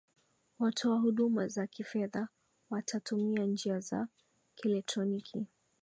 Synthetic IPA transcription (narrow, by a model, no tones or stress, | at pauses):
watʰɔaɦuɗumazakifɛða | watʰatumiand͡ʒiaza̰ | kɛlɛk̚tɾɔnikʰi